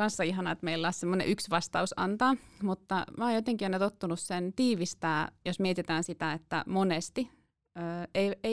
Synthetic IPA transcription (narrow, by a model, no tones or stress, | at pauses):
ɑnsːɑiɦɑnɑet̪meilːɑːssemːonḛʔyksʋɑst̪ɑusɑ̰nt̪ɑːmut̪ːɑmɑːjot̪eŋkionet̪ot̪ːunussent̪iːʋist̪æːjosmiet̪it̪æːnsit̪æet̪ːæ̰monest̪i | øːeie